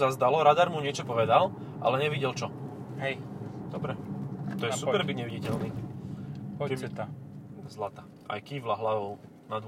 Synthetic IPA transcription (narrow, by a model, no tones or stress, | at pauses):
zazd̪alɔɾad̪aɾmuɲɪɛt͡ʃɔpɔʋɛd̪al | ʔa̰lɛɲɛʋiɟɛlt͡ʃɔ | ɦɛjd̪ɔbɾɛt̪ɔjɛsupɛɾbiɟɲɛʋiɟicɛlni | t̪zlat̪aː | ʔa̰jkiːʋlaɦlaʋɔʊ | nad̪